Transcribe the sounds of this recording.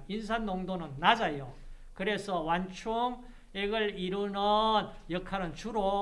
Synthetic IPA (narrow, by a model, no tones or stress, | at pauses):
ins̬ʰanːoŋdonɯnːad͡ʑajo | kɯɾe̞sʰʌwant͡ɕʰuŋ | eɡɯɭiɾunɯnjʌkʰaɾɯnt͡ɕuɾo